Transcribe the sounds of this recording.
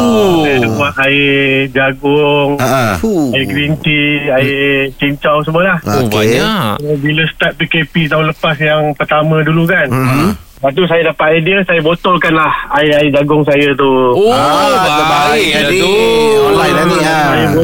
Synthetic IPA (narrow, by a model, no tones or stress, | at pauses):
dədəmaɦaid͡ʒaɡʊŋ | aiɡɾint̪iait͡ʃiɲt͡ʃaws̬əmuəlah | biləst̪at̪̚pikepit̪aũnləpas̬jaŋpərt̪amə̃dulukan | bat̪̬us̬ajadapaʔ̪ediəsajabot̪ɔlkanlahaiaid͡ʒaɡʊŋsajət̪u | aəbaaikaiuaianəsajabo